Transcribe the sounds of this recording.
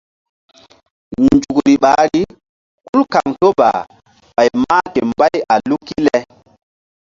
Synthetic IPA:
nd͡ʒu˨kɾi˨ɓa˨˦ɾi˦ | ku˦lka˨ŋto˦ba̰˨ | ɓa˨jma˦ke˨mba˦ja˨lu˦kːi˦lɛ˦

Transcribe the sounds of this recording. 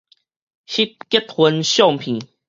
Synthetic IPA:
ɕi˦t̪̚ke˦t̪̚hə˧˦nɕjɔ˥˨ŋpʰĩ˨˦

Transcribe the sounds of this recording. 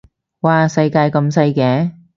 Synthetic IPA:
waː˨sɐ˧jkaː˧jkɐ˧msɐ˧jkɛː˨˥

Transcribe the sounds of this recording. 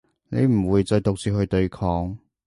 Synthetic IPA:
ne˨˧jm̩˨˩wuː˨˧jt͡sɔː˧t̪ʊ˨˧k̚t͡siː˧hɵ˧ɥt̪ɵ˧ɥkʰɔː˧ŋ

